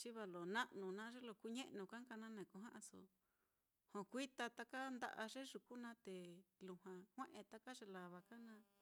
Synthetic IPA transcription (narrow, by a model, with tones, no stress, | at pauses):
t͡ʃi˦βa˧lo˨nã˦ʔnũ˨nãː˦ʐe˦lo˧˨ku˧ɲẽ˦ʔnũ˧˨kã˦ka˧nã˦nẽ˨ku˧ɦã˦ʔã˧so̰˨ | hõ˨kʷi˦t̪a˧t̪a˦ka˦nd̪a̰˧ʔa˧ʐe˦ʐu˨ku˦nã˦t̪e˨lu˨hã˧hʷẽ˦ʔẽ˧t̪a˦ka˦ʐe˧la˨βa˧ka˦nã˧˦